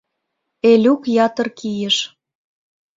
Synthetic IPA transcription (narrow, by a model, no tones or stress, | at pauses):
elʲukjɑt̪ɤ̆rkijə̆ʃ